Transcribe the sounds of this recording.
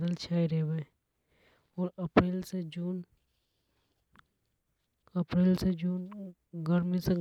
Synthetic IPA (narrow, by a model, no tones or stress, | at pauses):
d̪əlt͡ʃʰaːiɾeʋe | ɔːɾəpɾeːlsed͡ʒun | əpɾeːlsed͡ʒuːn | ɡəɾmĩse